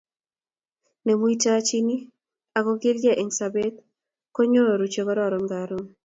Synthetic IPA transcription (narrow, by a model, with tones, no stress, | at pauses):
ne˨mu˦i˦ta˦t͡ʃi˦ni˦ | a˨kɔ˦ɡɪ˦lɡɛ˦ʔe˨ŋsa˨be˦t̪̚ | kɔ˦ɲo˦ɾɔ˨ɾu˨t͡ʃe˨kɔ˦ɾɔ˦˨ɾɔ˨ŋɡa˨ɾo˦